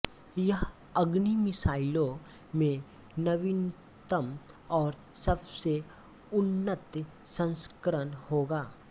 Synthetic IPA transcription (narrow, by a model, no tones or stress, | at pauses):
jɐɦ | ɐɡnimɪsaːɪlõ | mẽ | nɐʋɪn | t̪əmɔːɾ | sɐbse | ʊnːət̪ | sə̃nskəɾənhoːɡaː